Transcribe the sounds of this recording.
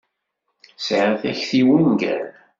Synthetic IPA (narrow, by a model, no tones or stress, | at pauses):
sʕəθæçθiwənɡæ̰ɾ